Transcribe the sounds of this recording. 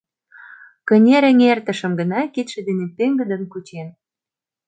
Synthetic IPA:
kə̆nʲeɾə̆ŋert̪ə̆ʃə̆mɡə̆nɑkit̪ʃĕd̪enepeŋɡə̆d̪ə̆nkut͡ɕen

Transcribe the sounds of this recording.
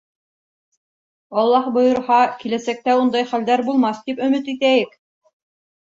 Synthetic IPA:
ɑlˠːɑhbɤ̆jɤ̆ɾhɑkilæsæk̚t̪æund̪ɑjχæld̪æɾbulˠmɑst̪ipɵ̆mɘt̪it̪æjɘk

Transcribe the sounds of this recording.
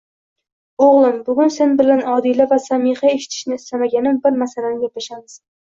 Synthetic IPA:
oʁlˠɪmbʊɡʲʊnse̞nbɪlanɒd̪ɪlavasamihae̞ʃɪ̥t̪ʰɪ̥ʃnɪːst̪amaɡʲanɪmbɪɾmasalanɪjʲapaʃamɪz̥

